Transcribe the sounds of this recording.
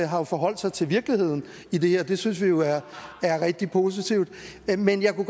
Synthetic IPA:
ɦɑ̈jo̝fɒ̽ɦɒ̽l̰d̥sɑ̈ɪt͡sʰe̝lʋiɐɡ̥lihe̝ð̰ˠn̩ | id̥e̝he̝ɐ̰d̥e̝synsʋijo̝æɐæɐʁɛɡ̥̚d̥ipʰo̝ːs̬it͡sʰiʊ̰d̥menjɑ̈ɪkuɡ̥

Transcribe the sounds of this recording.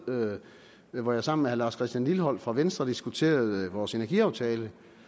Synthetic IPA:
ʋɒjɑ̈sɑ̈m̰n̩mehælɑ̈ːskʰʁɛsd̥jænliləɦɒ̽l̰fʁɑ̈ʋensd̥ʁɐd̥isɡ̥ut͡sʰe̝̰ːɐð̩ˠʋɒːse̝næɐɡ̥iɑ̈ʊt͡sʰɛːlə

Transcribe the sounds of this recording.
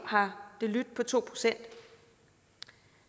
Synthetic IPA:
hɑ̈d̥e̝lyd̥̚pʰɒ̽t͡sʰo̝̰ːpʰʁo̝̥sen̰d̥

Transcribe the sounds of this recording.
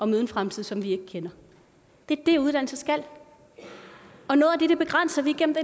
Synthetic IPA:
ɒ̽møð̞ˠn̩fʁamt͡sʰið̞̰ˠsɒ̽mʋie̝ɡ̥əkʰenɐ | d̥e̝æd̥euðˠd̥ænl̩səsɡ̥æl̰ | ɒ̽nɔːð̩ˠæd̥e̝d̥eb̥e̝ɡ̥ʁan̰sɐʋiɡ̥ḛm̩d̥e

